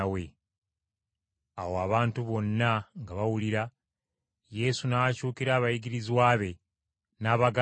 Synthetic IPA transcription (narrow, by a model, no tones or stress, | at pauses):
we | awoaβaːntuβo̞nːaŋɡaβawuliɾa | je̞sunaacuːkiɾaːβajiɡiɾizwaːβe̞ | naːβaɡa